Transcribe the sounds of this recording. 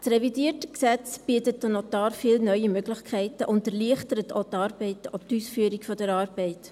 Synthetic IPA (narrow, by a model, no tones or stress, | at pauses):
srɛvidiətəksɛt͡sb̥iətətːənotɑːrfiːlnœʏəmøɡlɪχkʰɛɪtəʔʊntəɾliəχtəɾətʰoːtɑːɾbɛɪtoːtyːsfyːəɾikfɔdəɾɑːɾb̥ɛɪt